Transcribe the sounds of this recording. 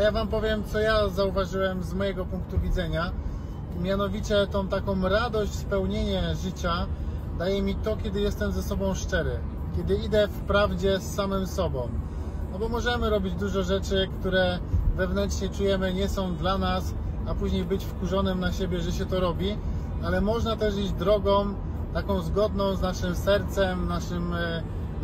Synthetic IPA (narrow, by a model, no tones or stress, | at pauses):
javampɔvʲjɛmt̪sɔjazauvaʐɘwɛmzmɔjɛɡɔpuŋkt̪uvʲidzɛɲa | mʲjanɔvʲit͡ɕɛt̪ɔ̃w̃t̪akɔ̃w̃ɾad̪ɔɕt͡ɕspɛwɲeɲɛʐɘt͡ɕad̪ajɛmʲit̪ɔkʲjɛd̪ɘjɛst̪ɛmzɛsɔbɔ̃w̃ʂt͡ʂɛɾɘ | kʲɛd̪ɘid̪ɛfpɾavd͡ʑɛsːamɘmsɔbɔ̃w̃ | nɔbɔmɔʐɛmɘɾɔbʲid͡ʑd̪uʐɔʐɛt͡ʂɘkt̪uɾɛvɛvnɛnt͡ʂɲɛt͡ʂujɛmɘɲɛsɔ̃w̃d̪lanas | apuʑɲejbɘt͡ɕfkuʐɔnɘmnaɕebʲjɛʐɛɕɛt̪ɔɾɔbʲi | alɛmɔʐnat̪ɛʂ̬id͡ʑd̪ɾɔɡɔ̃w̃ | t̪akɔ̃w̃zɡɔd̪nɔ̃w̃znaʂɘmsɛɾt̪sɛmnaʂɘm